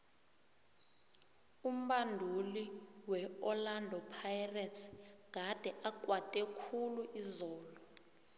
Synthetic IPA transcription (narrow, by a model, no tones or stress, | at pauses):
um̩ɓandʱuliwɛɔlandʱɔpʰajratʰɡ̥ʱad̥ʱɛʔakʼwatʼɛkʰuluʔizɔːlɔ